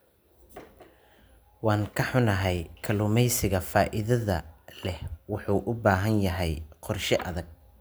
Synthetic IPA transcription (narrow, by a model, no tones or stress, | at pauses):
wɑːŋkʰɐħʊnɐɦɛjkʰɐlʊmɛjsɪɣɐfaːʔɪðɐðɐlɛhwʊħuːʔʊbaːɦɐnjɐɦɛjqɔrʃɪʔɐ̰ðɐɡ̚